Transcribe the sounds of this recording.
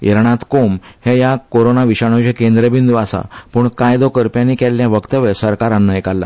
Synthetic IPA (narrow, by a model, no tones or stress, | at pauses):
eɾɳ̃ãt̪komhejakoɾonaʋiɕaɽ̃õt͡ɕekẽnd̪ɾəbind̪uʋasa̰puːɳkajd̪okəɾpjãnːikɛlːjaʋəkt̪əʋesəɾkaɾanːaekalːa̰